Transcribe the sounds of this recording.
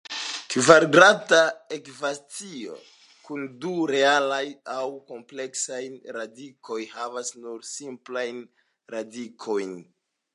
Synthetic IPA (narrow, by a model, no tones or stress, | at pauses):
kvaɾɡɾataekvastio̞̰ | kunduɾe̞alajawko̞mple̞ksajnɾadikʰo̞jhavasnuɾsimplajn | ɾadikʰo̞jn